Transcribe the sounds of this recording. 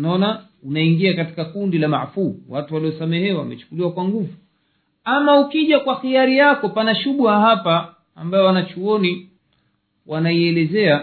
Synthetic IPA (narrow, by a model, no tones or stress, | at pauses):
naɔna | unaiŋɡiakati̥kakundilama̰ʕfuwatuwaliɔsamɛhɛwa̰mɛ̰t͡ʃu̥kuliwakwaŋɡuvu | amaukiʄakwaxiaɾijakɔpanaʃuɓuahapaː | mbajɔwanat͡ʃuɔni | wanaiɛlɛzɛa